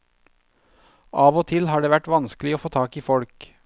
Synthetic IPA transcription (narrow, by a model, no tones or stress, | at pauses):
ʔɑːʋoːt̪ʰɪlhɑːɖeːʋæʈʋɑnsklɪoːfoːt̪ʰɑːkiːfɔɽk